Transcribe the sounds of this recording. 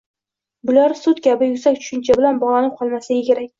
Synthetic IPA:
bʊlaɾsʊt̪kʲʰabɪjʊsakʲt͡ʃʰʊ̥ʃɪnt͡ʃʰabɪlanbɒʁlˠanɪp̚qʰɒlˠmasaɡʲakʲʰe̞ɾakʲ

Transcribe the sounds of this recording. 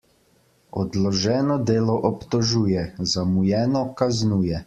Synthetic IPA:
ɔd̪lɔʒɛːnɔd̪eːlɔʔɔpt̪ɔʒuːjɛzamujɛːnɔkaznuːjɛ

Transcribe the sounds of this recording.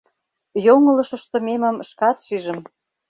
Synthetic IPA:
joŋə̆lɤ̆ʃɤ̆ʃt̪ŏmemə̆mʃkɑt̪ʃiʒə̆m

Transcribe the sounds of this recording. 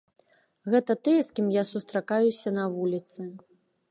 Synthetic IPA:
ɣɛt̪ɐt̪ɨjɛskʲimjasust̪ɾakajusʲɐnɐvulʲit̪sɨ

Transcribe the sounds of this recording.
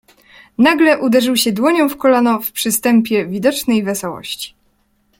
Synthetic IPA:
naɡlɛʔud̪ɛʐɘwɕɛd̪wɔɲɔ̃w̃fkɔlanɔfpʂɘst̪ɛmpʲjɛvʲid̪ɔt͡ʂnɛjvɛsɔwɔ̰ɕt͡ɕi̥

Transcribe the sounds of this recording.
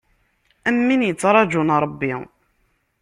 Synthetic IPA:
æmːinjət͡sːɾˤɑd͡ʒunɾˤəbːi

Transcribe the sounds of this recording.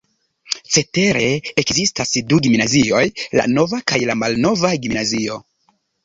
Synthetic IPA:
t͡se̞te̞ɾe̞ekzistasduɡimnazio̞jla̰no̞vakajlamalno̞vaɡimnazio̞

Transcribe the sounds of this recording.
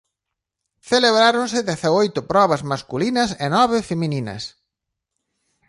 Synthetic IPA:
θeleβɾaɾonsɪðeθaojt̪ʊpɾɔβɐzmaskulinɐsenɔβɪfemĩninɐ̰s

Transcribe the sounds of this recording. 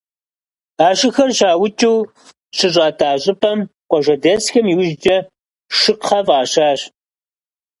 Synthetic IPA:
aːɕɪxɐrɕaːwʊt͡ʃʼuː | ɕɨɕʷʼɑːtʰaːɕʼɨpʰɐmqʷʼɔʒʷɐdɐsxɐmiwʒd͡ʒɐ | ʂɨqʰːɐvaːɕaːɕ

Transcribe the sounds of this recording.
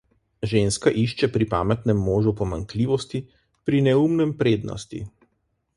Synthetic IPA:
ʒeːnskaʔiʃt͡ʃɛpɾipa̰ːmɛt̪nɛmːoːʒupɔmaŋkliːʋɔst̪i | pɾinɛumnɛmpɾeːd̪nɔ̰st̪ḭ

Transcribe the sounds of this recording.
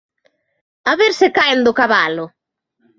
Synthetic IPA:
aβeɾsekaend̪okaβalʊ

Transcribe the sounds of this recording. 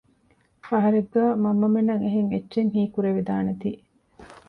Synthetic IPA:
fɐɦɐɾeɡːæːmɐmːɐmenːɐŋeɦeŋetːʃeŋɦiːkuɾeʋid̪aːnet̪iː

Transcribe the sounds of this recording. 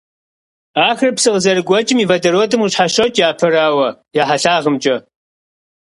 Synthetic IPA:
aːxrpsɨʁəzɐrɨɡʷɔt͡ʃʼɪmiːvɐdɐɾwɔdɨmuɕħaʃɐwtʼjaːpʰɐraːwɐjaːħaɬaːʁəmt͡ʃʼɐ

